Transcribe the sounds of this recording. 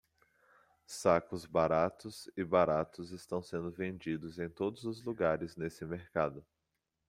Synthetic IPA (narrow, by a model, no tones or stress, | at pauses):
sakʊzbaɾat̪ʊzɪbaɾat̪ʊzɪst̪ɐ̃w̃sẽnd̪ʊvẽnd͡ʒid̪ʊzẽj̃t̪od̪ʊzʊzluɡaɾɪznesɪmeɾkad̪ʊ